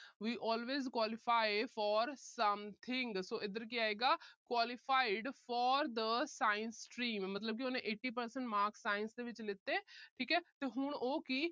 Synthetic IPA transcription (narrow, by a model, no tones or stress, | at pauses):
ʋiːʔɔːlʋeːzkwaːlɪfaːɪfɔːɾsəmt̪ʰɪ̃ŋɡsoːʔɪd̪əɾk̬iaːeːɡaːkwaːlɪfaːɪɖfɔːɾd̪əsaːɪnssʈɾĩːmːət̪ləb̚k̬ioːnẽːʔeːʈːiːp̬əɾsəɳʈmaːɾksaːɪnsd̪eːʋɪt͡ʃlɪt̪ːeːʈʰiːkɦɛːt̪eːɦʊɳoːki